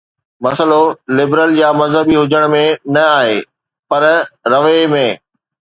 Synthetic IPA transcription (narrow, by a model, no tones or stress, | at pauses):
mɐsəlolɪbɾəljaːmɐzɦəbiɦʊd͡ʑəɽ̃mẽnɐaːɦeː | pɐɾɾɐʋemẽː